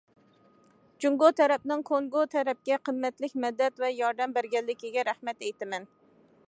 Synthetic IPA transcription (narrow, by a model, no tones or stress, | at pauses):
d͡ʒuŋɡot̪ʰɛɾɛp̚nɪŋkʰoŋɡot̪ʰɛɾɛp̚kʲɛqʰəmːɛt̪lɪkʲmɛd̪ːɛt̪vɛjɑɾd̪ɛmbæɾɡʲɛlːɪkʲiɡʲɛɾæhmɛt̪ɛjt̪ɪmɛn